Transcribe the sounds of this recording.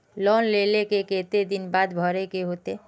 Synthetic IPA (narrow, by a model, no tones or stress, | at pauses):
lɔnlelekeket̪ed̪inbad̪bʱɔɾekeɦot̪e